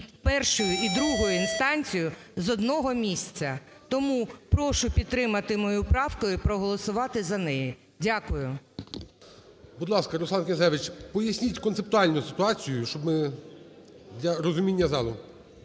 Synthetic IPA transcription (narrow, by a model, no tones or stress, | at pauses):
pɛrʃʊjʊid̪ɾuɦʊjʊinst̪ɑnʲt͡sʲijʊzɔd̪nɔɦɔmʲisʲt͡sʲːɐ | t̪ɔmupɾɔʃʊpʲid̪̚t̪ːɾɪmɐt̪ɪmɔjupɾɑwkʊjʊpɾɔɦɔlˠɔsʊʋɑt̪ɪzɐnɛji | dʲakʊjʊ | bʊd̪lˠɑskɐɾɔsˠɑnkʲezɛʋɪt͡ʃpɔjɐsʲnʲitʲkɔnt̪sep̚t̪ʊɑlʲnʊsɪt̪ʊɑt͡sʲijʊʃt͡ʃɔbmɪ | d̪ʲlʲɐɾɔzʊmʲinʲːɐzɑlˠʊ